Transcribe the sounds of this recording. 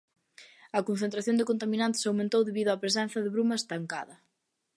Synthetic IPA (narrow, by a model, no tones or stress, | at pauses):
ɐkonθent̪ɾaθjõnd̪ɪkont̪aminant̪ɪsawmẽnt̪owðeβiðʊapɾes̬ɛnθɐðɪβɾumɐest̪aŋka̰ðɐ